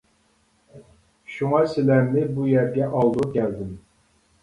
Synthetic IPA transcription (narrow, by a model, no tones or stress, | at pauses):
ʃuŋɑsɪlæmnɪbujɛɾɡʲɛʔɑlˠd̪ukʲæld̪ɪm